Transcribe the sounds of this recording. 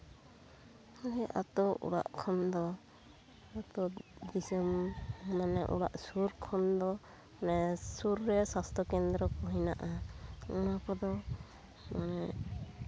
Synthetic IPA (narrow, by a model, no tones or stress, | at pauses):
ɔnɛʔa̰t̪ɔʔṵɽa̰ʔkʰɔnd̪ɔ | at̪ɔd̪isɛmmanɛʔṵɽa̰ʔsuɾkʰɔnd̪ɔ | manɛsuɾːɛsast̪ʰɔkɛnd̪ɾɔkɔɦina̰ʔaɔnakɔd̪ɔ | manɛ